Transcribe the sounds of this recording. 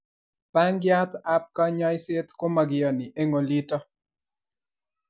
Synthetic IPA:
pa˦ŋɡja˦t̪a˦p̚ka˦ɲɔ˦ɪse˦t̪ko˦ma˨ɡɪ˨jɔ˨nɪ˨ʔe˦ŋo˨li˦tɔ˦

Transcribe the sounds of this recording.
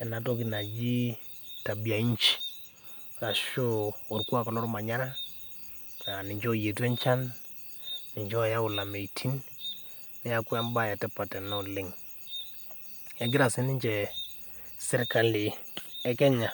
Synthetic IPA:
ɛ˨na˨tɔ˦ki˨na˨d͡ʒi˦ | ta˨bi˨a˨i˦ɲt͡ʃi̥˨ | ɾa˨ʃo˦ɔ˨ɾkwa˦ka˨lɔ˦ɾma˨ɲa˦ɾa˦ | ka˨nɪ˨ɲt͡ʃo˦˨je˨tɛ˦ɲt͡ʃa˦nː | ɪ˨ɲt͡ʃɔ˦˨ja˦ʊ˨la˨me˨tʰi˦nː | i˦a˦kwa˦mba˦˨ja˨tɛ˦pa˨tɛ˨nɔ˦˨lɪ˨ŋ | ɛ˦ɡɪ˦ɾa˨sɪ˦nɪ˦ɲt͡ʃɛ˨ | sɪ˦ɾka˨li˨ɛ˨˦kɛ˦ɲa˨

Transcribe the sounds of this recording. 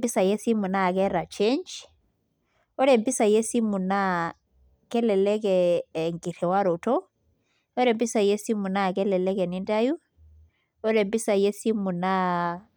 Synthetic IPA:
mbi˦sa˨je˦si˦mu˨na˦˨kɛɾa˨t͡ʃend͡ʒ | ɔ˦ɾɛmbi˦sa˨je˦si˦mu˨na | kɛ˦lɛlɛkɛːŋɡi˨ɾɛ˨waɾo˨tɔ | ɔ˦ɾɛ˨mbi˦sa˨je˦si˦mu˨na˦k̬ɛ˦lɛ˨lɛ˦kɛ˨ninda˦ju˦ | ɔ˦ɾɛ˨mbi˦sa˨je˦si˦mu˨na

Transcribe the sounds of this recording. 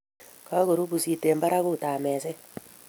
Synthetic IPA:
ka˦ɣo˨ɾu˦bu˨si˨te˨mba˦ɾa˦ku˦˨taː˨mɛː˨sɛ˦

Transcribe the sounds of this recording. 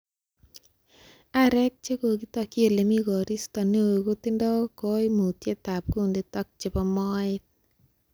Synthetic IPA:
a˦ɾɛ˦k̚t͡ʃe˦ko˨k̬i˦tɔ˧kje˦le˨mi˦kɔ˨ɾi˦stɔ˨ne˦˨ko˦tɪ˦ndɔ˦ko˦imu˨tje˦ta˨p̚ku˦nde˦tɔ˦k̚t͡ʃe˨pɔ˦mɔ˦ɪt̚

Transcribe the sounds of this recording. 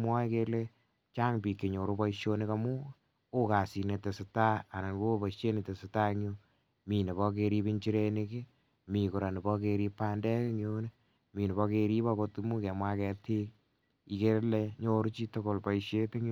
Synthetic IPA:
mwɔ˦i˦ke˧le˦ | t͡ʃa˦ŋpi˨kːe˨ɲo˨ɾu˦pɔ˦iʃjo˦ne˦ka˧mu˦ | o˦ka˨si˨ne˨te˨sɪ˨ta˦a˨na˨nwo˦pɔ˨ʃe˦ne˨te˨sɪta˦ŋu˦ | mi˨ne˨bɔ˦k̬e˧ɾi˦pi˦ɲt͡ʃi˦ɾe˦ne˦ke˦ | mi˨ku˨ɾa˨ni˨bɔ˦ke˧ɾi˧pa˦ndɛ˦ke˦ŋjo˦ne˦ | mi˨ne˨bɔ˧ke˧ɾi˦pɔ˦ko˧tmu˦kɛ˨mwa˦kɛ˨tʰi˦k̚ | i˨ke˦le˧ɲo˧ɾu˦t͡ʃi˦to˦ko˨lpa˨iʃe˦te˦ŋ˦

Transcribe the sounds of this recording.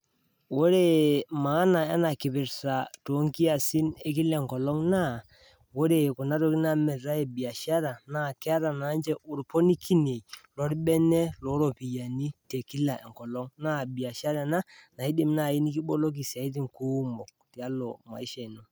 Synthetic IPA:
wo˦ɾe˦˨ma˨˦na˨ɛ˦na˨kɪ˨pɪ˨ɾsa˨to˨˦ŋki˦a˨sɪ˦ne˦k̬ɪ˦lɛ˨ŋkɔ˨lɔ˦ŋna˦˨ | wo˦ɾe˨kʊ˨na˦to˦kɪ˦na˦mɛ˨ɾa˦e˨bi˨a˨ʃa˦ɾa˨na˦˨kɪ˦a˦ɾa˨na˨˦nt͡ʃɛ˦ʔʊ˨ɾpo˦ni˦kʰi˦ne˨lɔ˨˦ɾɓɛ˦nɛ˦lɔ˨˦ɾo˨pi˨ja˨ni˦te˨ki˦la˨ʔɛ˨ŋkɔ˨lɔ˦ŋna˦˨bi˨a˨ʃa˦ɾa˨na˦na˨i˦dɪ˨m˦na˨i˦ni˦kɪ˦ɓo˦lo˦k̬i˨sa˨i˦t̬ɪ˨ŋku˦mo˨k̚ti˨a˦lɔ̰˨ma̰˨i˦ʃɛ˨no˨

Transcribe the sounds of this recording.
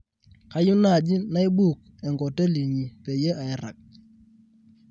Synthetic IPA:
ka˦jʊ˦na˦˨d͡ʒi˦na˦i˦bu˦˨k̚ | ɛ˨ŋɡɔ˨te˦li˨ɲi˨pe˨je˦ʔa˨ɛ˦ɾa̰˨k̚

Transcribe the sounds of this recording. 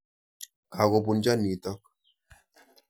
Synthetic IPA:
ka˨ɣo˨bu˨nd͡ʒa˦ni˨tɔ˦k̚

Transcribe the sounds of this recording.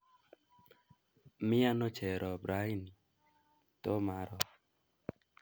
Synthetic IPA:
mi˦a˦nɔ˦t͡ʃʰɛ˨ɾɔ˨bɾa˦i˦ni˨ | t̪o˦ma˨ɾɔ˨

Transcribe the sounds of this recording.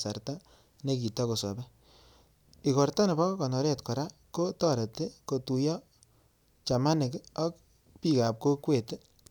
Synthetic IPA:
sa˨rta˦ | ne˦k̬i˨ta˦ko˨sɔ̰˨bɛ˦ | i˨kɔ˨rta˦ne˨bɔ˦kɔ˨nɔ˨ɾe˦tkɔ˨ɾa˦ko˦tɔ˦ɾe˨tːe˦ko˨tu˨jɔ˦ | t͡ʃa˨ma˦nɪ˨kɔ˦k̚ | pi˨ka˨p̚ko˦kwe˨te˦

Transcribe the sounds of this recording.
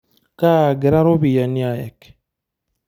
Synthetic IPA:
ka˦˨ɡe˨ɾa˦ɾo˦βi˨ja˨ni˦a˨jɛ̰˨k

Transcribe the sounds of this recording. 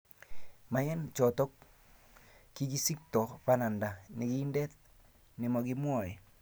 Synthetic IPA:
ma˨jɛ˦nt͡ʃɔ˨tɔ˦k | kːi˦ki˦si˦k̚tɔ˨pa˦na˨nda˨nɪ˨ɡi˦ndɛ˦t̪̚ | nɪ˨mɔ˨ɡɪ˦mwɔ˦˨ɾɛ˨

